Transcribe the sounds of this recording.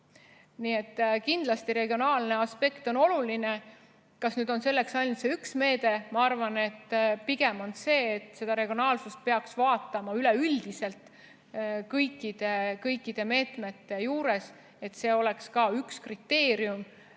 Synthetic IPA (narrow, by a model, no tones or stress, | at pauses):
niːet̪ːkind̪lɑst̪iɾe̞ɡio̞nɑːlne̞ɑspe̞kt̪o̞no̞luline̞ | kɑsnyːd̪̥o̞nse̞lːe̞ksɑjnut̪seyksme̞ːd̪̥e̞mɑɑrvɑnet̪ːpiɡ̥e̞mo̞nse̞ːt̪ːˑse̞d̪ɑɾe̞ɡ̥io̞nɑːlsust̪̚pe̞ɑksvɑːt̪ːˑɑmɑyleyld̪̥ise̞lt̪ | kɤjkːˑid̪̥e̞kɤjkːˑid̪̥e̞me̞ːt̪me̞t̪ːe̞juːɾe̞s | e̞t̪ːse̞ːo̞le̞kskɑykskrit̪ːe̞ːɾjum